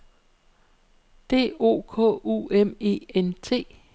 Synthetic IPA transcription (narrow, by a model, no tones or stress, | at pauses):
d̥e̝̰ːo̝̰ːkʰɔ̰̽ːueme̝̰ːent͡sʰe̝̰ː